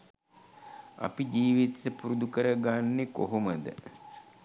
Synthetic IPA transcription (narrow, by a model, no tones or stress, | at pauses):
a̰pid͡ʒiːʋit̪əpuɾud̪ukəɾəɡanːekoɦoməd̪ə̰